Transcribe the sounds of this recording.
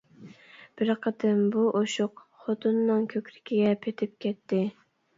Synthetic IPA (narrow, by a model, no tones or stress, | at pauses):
b̥ɪɾqʰəd̪ɨmbuʔoʃʊqχot̪ʰunːɨŋkʲʰøkʲɾɪkʲʰiɡʲɛpʰet̪ʰɪp̚kʲɛt̪ʰːɪ